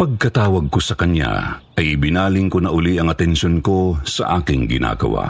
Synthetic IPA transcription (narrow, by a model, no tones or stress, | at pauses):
pɐɡ̚kɐt̪aːwɐɡ̚kosɐkɐɲa̰ | ʔɐjɪbɪnaːlɪŋkonɐʔʊliʔɐŋɐt̪ɛnʃonko̞sɐ̰ʔaːkɪŋɡɪna̰ːɡɐ̰wa̰